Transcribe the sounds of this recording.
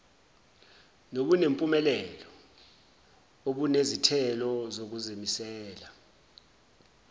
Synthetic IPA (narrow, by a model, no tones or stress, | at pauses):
nok̬unempʼumɛlɛlɔ | oɓ̬unezitʰɛlɔzok̬uzimisɛːla